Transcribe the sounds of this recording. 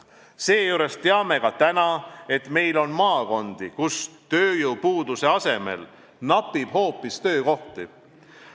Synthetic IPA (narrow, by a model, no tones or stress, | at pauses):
se̞ːjuːɾe̞st̪eɑme̞kɑt̪ænɑe̞t̪me̞jlo̞nmɑːko̞nd̪̥ikust̪ø̞ːjuwpuːd̪̥use̞ɑse̞me̞̰l | nɑpːib̥ho̞ːpːˑist̪ø̞ːko̞ht̪i